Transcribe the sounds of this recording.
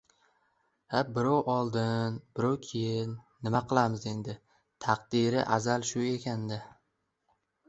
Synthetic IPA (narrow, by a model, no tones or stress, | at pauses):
habɪɾɒwʔɒlˠd̪ɪnbɪɾɒwkʲʰejɪnːɪmaqʰɨlˠamɪze̞nd̪ɪ | t̪ʰɑq̚d̪ɪɾɪʔazalʃʊe̞kʲʰand̪ɪ